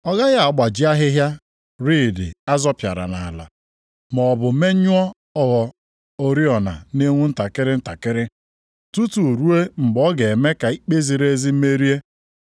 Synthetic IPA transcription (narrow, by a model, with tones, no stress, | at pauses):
ɔ˦ɡa˦ɣɪ˦a˨ɡ͡ba˨d͡ʒi˦a˦ɦɪ˦ɦja˦ | ɾiː˦˨dɪ̰˨a˦zɔ˦pja̰˨ɾa̰˨na˨a˨la̰˨ | mɔ˨bʊ˨˦me˦ɲʊ˦ɔ˦ | ɔ˦ɣɔ˨ | o˦ɾi˦ɔ˨na̰˨ne˦ŋʷu˦n̩˦ta˨kɪ˦ɾɪ˦n̩˦ta˨kɪ˦ɾɪ˦ | tu˦tu˨ɾu˦e˦mŋ͡m̩˨ɡ͡bɔ˦ɡe˨e˨me˦ka˨i˦k͡pe˦zi˨ɾe˦zi˦m̩˦me˦ɾi˦e˦